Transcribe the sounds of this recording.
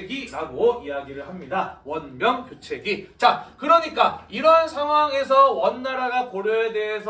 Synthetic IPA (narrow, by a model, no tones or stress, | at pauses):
ɡiɾaɡoijaɡiɾɯɭɦamɲidawʌnmjʌŋkot͡ɕʰe̞ɡit͡ɕakɯɾʌɲik͈aiɾʌnsʰaŋɦwaŋe̞s̬ʰʌwʌnːaɾaɡakoɾjoede̞ɦe̞sʰ